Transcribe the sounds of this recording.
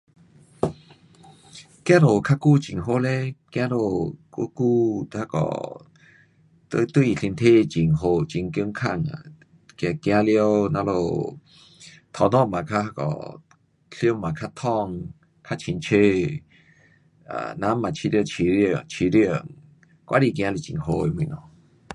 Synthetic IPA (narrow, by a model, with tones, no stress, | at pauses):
kj̃ã˦ɾo˨kʰa˦˥ku˧˨t͡ɕi˨ŋɦo˦le˦kj̃ã˧˦lo˧ku˧˦ku˧˨t̪ha˧˥kɔ̰˨˩ | t̪t̪wi˧˨ɬi˧nt̪ʰe˦˧˨t͡ɕi˨˩ŋɦo˧˩t͡ɕi˧˨ŋki˧˦ŋkʰa˧˨ŋa̰˨ | kja˧kj̃ã˧˦ljə˦˧nã˧˦lo˧˩ | t̪ʰɔ˧˨nɔ̃˦˧˨mã˨kʰa˦a˧kɔ̰˨ | ɬi˧˦mmã˨kʰa˦t̪ʰɔ˧ŋ | kʰa˦˧t͡ɕʰi˧˨nt͡ɕʰe˧ | a̰˨nã˧˦mã˨t͡ɕʰi˧li˧o˧˨t͡ɕʰi˧ɾŋt͡ɕʰi˧ɾji˧˨ŋ | kʷwʔa̰˧˦ɾi˧˨k̬j̃ã˧li˧˨t͡ɕḭ˨ŋɦo˧i˧wĩ˧˨nɔ˧˨